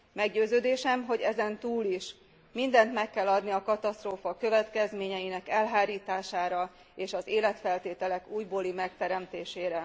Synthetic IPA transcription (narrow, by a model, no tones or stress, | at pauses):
mɛɡɟøːzøːd̪eːʃɛmɦo̞ɟɛzɛnt̪uːliʃ | mind̪ɛnt̪mɛkːɛlːɒd̪niɒkɒt̪ɒst̪roːfɒkø̞vɛt̪kɛzmeːɲɛjinɛkɛlɦaːɾiːt̪aːʃaːɾɒ | eːʃɒzeːlɛt̪fɛlt̪eːt̪ɛlɛkuːjboːlimɛk̚t̪ɛɾɛmt̪eːʃeːɾɛ